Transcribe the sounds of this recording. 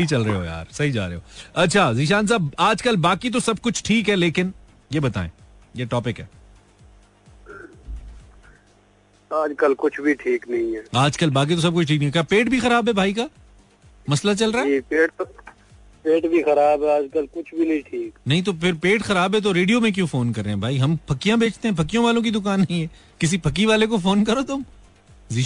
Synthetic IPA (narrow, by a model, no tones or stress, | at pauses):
ɐɦit͡ʃɐlɾɐeɦo̰ja̰ːɾsɐɦid͡ʒa̰ːɾḛɦo̰ːɐtːʃʰaziːʃ̬aːns̬aːbaːd͡ʒkɐlbaːkit̪̬osɐb̚kʊt͡ʃʰʈʰiːkɦɛleːkɪn | jebɐt̪a̰ːḛ̃ː | jeʈɔːpɪkɦɛ̰ː | aːd͡ʒkɐlkʊt͡ʃʰbʱiʈʰiːknɐɦĩɦɛːaːd͡ʒkɐlbaːk̬it̪os̬ɐb̚kʊt͡ʃʰʈʰiːknĩkjaːpeːʈ̚bʱixɐɾaːbɦɛbʱaːika | mɐslat͡ʃɐlɾaːpeːʈ | peːʈbʱixɐɾaːbɦɛaːd͡ʒkɐlkʊt͡ʃʰbʱinɐɦĩʈʰiːknɐɦĩt̪̬opʰɪɾpeːʈxɐɾaːbɦɛt̪̬oɾeːɖijomẽk̬jũːfoːnkɐɾːẽɦɛ̃bʱaːiɦɐmpʰɐkːijãbeːt͡ʃʰt̪ẽɦɛ̃pʰɐkːijõʋaːlõk̬id̪ʊkaːnːɐɦĩɦɛː | kɪs̬ipʰɐkːiʋaːlekofoːnkɐɾot̪ʊm | zi